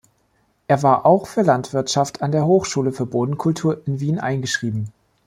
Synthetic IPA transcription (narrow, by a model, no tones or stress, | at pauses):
ʔeːɐvaːɐʔaʊxfyːɐlantv̥ɪɐtʃaftʰandeːɐɦoːxʃuːləfyːɐboːdn̩kʰʊltʰuːɐʔɪnviːnʔa̰ɪnɡəʃʁ̥iːbm̩